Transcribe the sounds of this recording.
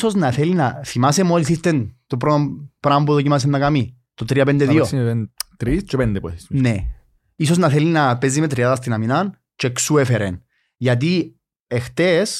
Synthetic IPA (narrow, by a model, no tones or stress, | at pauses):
soznɐθelinɐθimasemoliθist̪ent̪opɾot̪opɾambuðocimas̬enːɐkami | t̪ot̪ɾiɐp̬end̪eðiosnt̪ɾist͡ʃepend̪epṵθisne | isoznɐθelinɐpezimet̪ɾiaðɐst̪inaminan | t͡ʃeksuefeɾen | ʝɐt̪̬i | ext̪es